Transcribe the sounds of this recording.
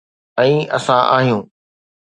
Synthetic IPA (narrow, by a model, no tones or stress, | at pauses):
ɛ̃ːɐ̰sãʔa̰ːɦijũː